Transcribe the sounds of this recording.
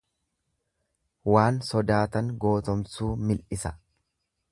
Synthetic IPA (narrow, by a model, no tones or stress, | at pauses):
waːnsɔd̪aːt̪ɐŋɡo̞ːt̪ɔmsuːmɪlʔɪsɐ